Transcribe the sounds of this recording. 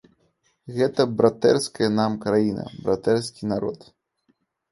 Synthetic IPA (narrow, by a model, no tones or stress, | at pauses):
ɣɛt̪ɐbɾat̪ɛrskɐjɐnamkɾajinɐ̰bɾat̪ɛrskʲinaɾɔ̰t̪